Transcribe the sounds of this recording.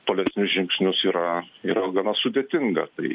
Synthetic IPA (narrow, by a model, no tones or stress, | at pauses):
t̪oːlʲɛsʲnʲʊsʒʲɪŋksʲnʲʊsiːɾɐiːɾɐɡɐnɐsʊd̪ʲeːt̪ʲɪŋɡɐ̰t̪ɐɪ